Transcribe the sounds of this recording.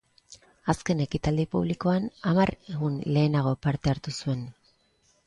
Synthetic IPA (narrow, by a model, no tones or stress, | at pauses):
aske̞ne̞kit̪ald̪ipuβ̞liko̞anamareɣunle̞ːnaɣ̞o̞paɾt̪eaɾt̪usue̞n